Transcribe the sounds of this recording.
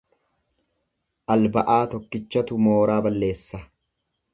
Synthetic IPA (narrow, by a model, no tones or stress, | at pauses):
ʔɐlbɐʔaːt̪ɔkːɪt͡ʃːɐt̪ʊmo̞ːɾaːbɐlːe̞ːsːɐ